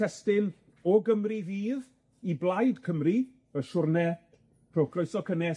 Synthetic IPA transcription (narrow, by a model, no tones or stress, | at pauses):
ɛstɪn | ɔɡəmriviːð | iblˠajdkʰəmri̥ | əʃʊrnɛ | pʰrokʰroɨsɔkʰənɛ